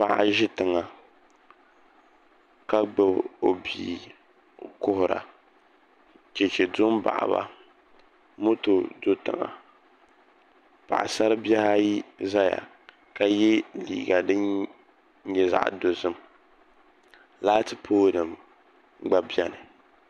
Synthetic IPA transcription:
pa˨ʔa̰˨ʒɪ˦tɨ˨ŋa˨ | ka˦ɡ͡bɨ˨bo˨bḭː˨ | kʊ˦hʊ˨ɾa̰˨ | t͡ʃɛ˨t͡ʃɛ˨dʊ˦m˦ba̰˨ʔa̰˨ba̰˦ | mo˦to˨do˦tɨ̰˨ŋa̰˨ | pa̰˨ʔa̰˨sa˦ɾɨ˦bɛ˦ha˦ji˦za˦ja̰˨ | ka˨jɛ˦lḭː˦˨ɡa˨dɨ˦n˦ | ɲɛ˦za̰˦˨ʔdo˨zɨ˦m | laː˦tɨ˨pʰoː˦nɨ˨m | ɡ͡ba˦bi˦ɛ˦nɨ˨

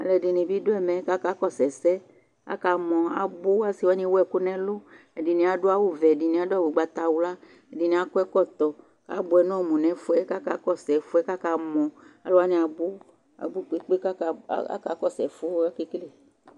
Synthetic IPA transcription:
a̰˨lɛ˨ɖi˨nĩ˨bi˦do˦ɛ˦˨mɛ̃˨˦ka˦ka˦kɔ˦sɛ˨sɛ˦ | a̰˦ka˨mɔ̃˨a̰˦bo˦a˦si˨wɔ˦ɲĩ˦wɛ˦ku˦nɛ̃˦lo˦ | e˨di˨nĩ˨˦a˨ɖo˦a˦wu˦vɛ˨di˨nĩ˨˦a˦do˦a˦wu˨ɡ͡ba˨t̪a˨wu˦la˦ | e˨di˨nĩ˨˦a˦ko˦ɛ˦kɔ˦t̪ɔ˨ | ka̰˦bo˨ɛ˨nɔ̃˦˨mũ˨nɛ̃˨fo˦ɛ˦ka˦ka˨˦kɔ˦˨sɛ˨fo˦ɛ˦ka˦ka˦mɔ̃˨a˨lo˦a˦nĩ˨a˨bu˦ | a̰˨bu˦k͡pe˦k͡pe˦ka̰˦ka˨kɔ˦˨sɛ˨fo˦ke˦kle˦˨

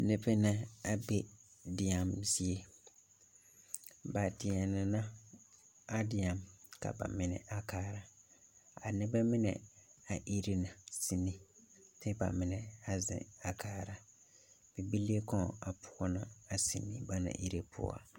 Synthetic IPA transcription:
nɛ˨bɛ˦na˦a˨bɛ˦dɪ˨a˨mzi˦e˦ | ba˨tɪ˨ɛ˨nɪ˨na˦ | a˦dɪ˨a˨mka̰˨ba̰˨mɪ˨nɛ̰˨ʔa˨kaː˦ɾa˨ | a˨nɪ˦bɛ˦mɪ˦nɛ̰˨a˨ʔi˦ɾi˦na˨si˨nːi˦tʰɪ˦ba̰˨mɪ˨nɛ˨a˨zɪ̰̃˨a˨kaː˦ɾa˨ | bi˨bi˦li˦e˦kɔ̃˦˨a˨pʰʊ̥˦ɔ˦na˨a˨si˨nːi˦ba˦na̰˨ʔi˦ɾe˦pʰʊ̰˦a̰˨

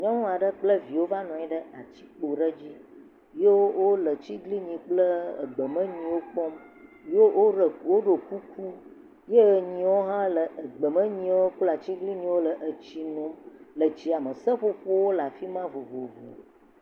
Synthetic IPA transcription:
ɲɔ̃˦ŋũ˦a˨ɖə˦k͡plə˦vi˨wo˦va˦nɔ̃˨ɲĩ˦ɖə˦a˨t͡ɕi̥˦k͡po˨ɖə˦d͡ʑi˦ | je˦wo˦wo˦lə˨t͡ɕi˦ɡli˦ɲĩ˨k͡plə˦ə̰˨ɡ͡bə˨mə̃˦ɲĩ˨wo˦k͡pɔ˦m | jo˦wʔo˦ɾə˨kwo˦ɖo˨ku˦ku˦ | je˦˨ɲĩ˨wo˦ɦã˦lə˨ʔə˨ɡ͡bə˨mə̃˦ɲĩ˦wo˦ku˦la˨t͡ɕi˦ɡli˦ɲĩ˦wo˦lə˨ʔə˨t͡ɕi˨nũ˦mlə˨t͡ɕi˨a˨mə˨sə˦ɸo˦ɸo˦wo˦la˨fi˦mã˦vo˨vo˨vo̰˨

